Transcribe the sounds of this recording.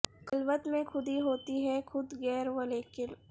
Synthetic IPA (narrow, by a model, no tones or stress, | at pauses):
kɐlʋət̪mẽkʰʊd̪iɦoːt̪iɦɛxʰʊd̪ɣɛːɾʋəleke